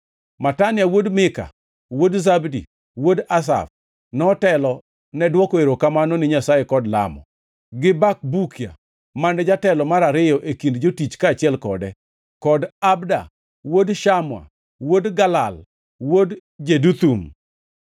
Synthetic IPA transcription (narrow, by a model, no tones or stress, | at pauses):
matanɪjawodmɪka̰ | wodzabdi | wodas̬a̰f | nɔtɛlɔ | nɛdwɔkoeɾokamanɔnɪɲasajɛkɔdla̰mɔ̰ | ɡɪbak̚bukija̰ | manɛd͡ʒatɛlɔmaɾaɾɪjɔʔekindd͡ʒotit͡ʃkaːt͡ʃɪɛlkɔdɛ | kɔdabda̰ | wodʃamwa̰ | wodɡalal | wodd͡ʒedut̪um